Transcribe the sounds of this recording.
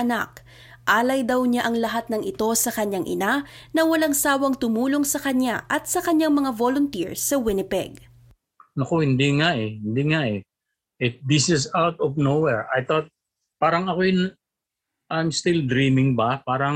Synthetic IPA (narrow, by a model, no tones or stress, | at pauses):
ɐna̰k̚ | ʔaːlɐjd̪ɐwɲaʔɐŋlɐɦat̪̚nɐŋʔɪt̪o̞sɐkɐɲaŋʔɪ̰nanɐwɐlaŋsaːwɐŋt̪ʊmuːlo̞ŋsɐkɐɲaʔɐt̪̚sɐkɐɲaŋmɐŋavolʊnt̪ḭɹsɐwɪnɪpɛ̰ɡ | nɐkohɪnd̪iŋaʔɛhɪnd̪iŋaʔɛ | ʔɪt̚d̪ɪsɪsawt̪ɔvnowɛɹʔajt̪ɔt̪̚ | paːɾɐŋɐkojʊn | ʔajmst̪ild̪ɾiːmɪŋbɐpaːɾɐ